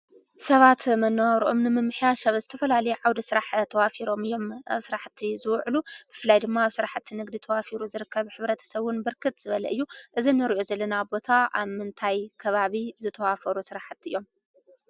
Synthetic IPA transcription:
sɐβat̪mɐnːɐwawɾʔo̞̰mnɨmɨmːɨħjaʃɐβzɨt̪ʰɐfɐlalɐjuʕawd̪isɨɾaħt̪ʰːɐwafiɾo̞mɨjːo̞mʔa̰βsɨɾaħt̪ʰːizɨwʕlub̥ɨfɨlːajd̪ɨmːaːβsɨɾaħt̪ʰːinɨɡd̪it̪ʰɐwafiɾuzɨɾɨkːɐβħɨβɾɐt̪ʰɐ̥sɐβʊnbɨɾkʰɨt̪z̥ɨβɐlɐ̰ʔɨ̰jːuʔɨzinɨɾiʔo̞zɐlːɐnabo̞t̪ʰaa̰βmɨnt̪ʰajkʰɐβaβizɨt̪ʰɐwafɐɾusɨɾaħt̪ɨjːo̞m

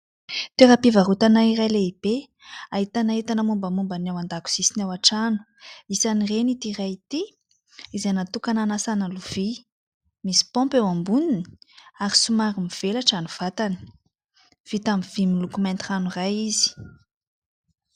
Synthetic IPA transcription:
t̪eɾapivaɾut̪anaiɾajleib̥e | aɦit̪anaɦit̪anəmumbəmumbanawand̪aku̥z̥isinawaʈ͡ʂanu̥ | isanirenit̪irajit̪i | izenat̪ukananasanaluv̥i | misi̥pɔ̃mpewambuniniaɾisumaɾimiv̥elaʈ͡ʂanuv̥at̪ani̥ | v̥it̪amv̥imilukumant̪iranurajizi̥

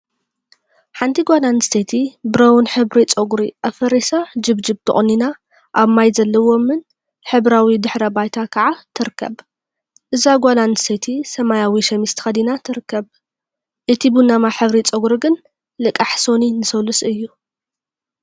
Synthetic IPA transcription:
ħant̪ʰiɡʷalanst̪et̪ʰibɨɾɐwunħɨβɾit͡sʼoɡuɾiʔafɐɾisad͡ʒɨβd͡ʒɨβt̪ʰɨ̰χʼnina | ʔaβmajzɐlːɐwo̞mɨn | ħɨβɾawid̪ɨħɾɐbajt̪ʰakʰɐʕat̪ʰɨɾɨkʰːɐ̰β | ʔɨzaɡʷalanst̪ʰet̪ʰisɐmajawiʃɐmist̪ɨ̥xɐd̪inat̪ʰɨɾɨkːɐβ | ʔɨt̪ʰibunamaħɨβɾit͡sʼoɡɾiɡɨn | lɨkʼːaħso̞ninɨsɐlusɨjːu

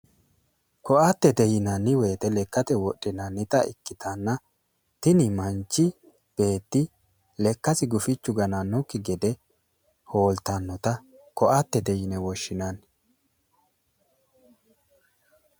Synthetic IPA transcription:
kɔʔat̪ːɛt̪ɛjɪnɐnːɪwe̞ːt̪ɛlɛkːɐt̪ɛwɔɗːɪnɐnːɪt̪ɐɪ̰kːɪt̪ʰɐnːɐ | t̪ɪnɪmɐnt͡ʃːɪ | b̥e̞ːt̪ːɪ | lɛkːɐsɪɡʊfɪt͡ʃːʊɡɐnanːʊkːɪɡɛd̪ɛ | ho̞ːlt̪ɐnːɔt̪ɐ | kɔʔat̪ːɛt̪ɛjɪnɛwɔʃːɪnan

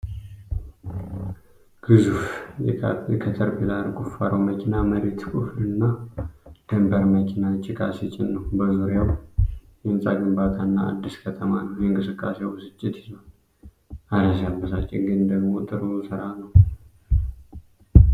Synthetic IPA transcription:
ɡ̥ɨzufjɛjɛkʰət̪ʰəɾpilaɾkʼufaɾəwməkʰinaməɾet̪kʰʼuflɨnːa | d̪̥əmbəɾməkʰinat͡ʃʼɪkʰʼasit͡ʃʼɪnːəwbəzuɾjawjɛnsʼaɡɨmbat̪ʰanːa̰ːd̪ːiskʰət̪ʰəmanəwjɛɨŋkʼɨsɨkʼːasewsɨt͡ʃʼːɪt̪iəw | ad̪as̬abːəsat͡ʃʼːɪɡɨnd̪əɡmot̪ʼɨɾusɨɾanəw

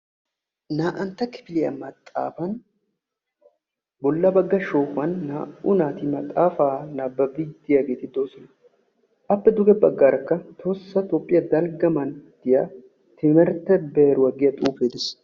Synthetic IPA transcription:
naːʔɐnt̪ɐkɪ̥fɪlɪjɐ̰mɐt̪ʼːa̰ːfɐn | bɔlːɐbɐɡːɐʃoːkɐnːaːʔʊnaːt̪ɪmɐt̪ʼaːfaːnaːbːɐbɪd̪ɪjaɡeːt̪ɪd̪oːsɔnɐ | ɐbːɛd̪ʊɡɛbɐɡːaːɾɐkːɐt̪ʰosːɐt̪oːpʼːɪjɐd̪ɐlɡɐmɐnd̪̥ɪja | t̪ɪmɛɾt̪ɛbɛːɾʊwɐɡɪjɐt̪ʼuːfeːd̪ɪs

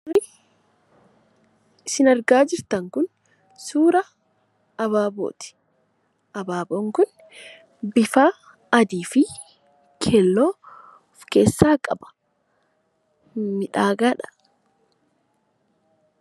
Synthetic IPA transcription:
ɪ | ɪsɪnɐɾɡaːd͡ʒɪɾt̪ɐŋkʊn | suːɾɐː | βaːbo̰ːt̪ɪ̥ | ʔɐbaːboːŋkʊn | bɪfaː | ɐd̪iːfɪ | kʰeːlːoː | fke̞ːsːaːkʼɐ̰bɐ̥ | mɪᶑaːɡaːᶑɐ̥

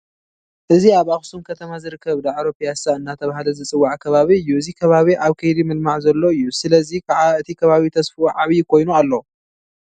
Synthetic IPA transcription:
ʔɨziaβaxsumkʰɐt̪ʰɐmazɨɾɨkːɐβd̪aʕɾopʰijasaɨnːat̪ʰɐβahlɐzɨt͡sʼɨwːaʕkʰɐβaβiɨjːuɨzikʰɐβaβiʔaβkʰɨjd̪imɨlmaʕzɐlːo̞ɨjːusɨlɐzikʰaʕaɨt̪ʰikʰɐβaβit̪ʰɐsfuʕaβjkʰo̞jnualːo

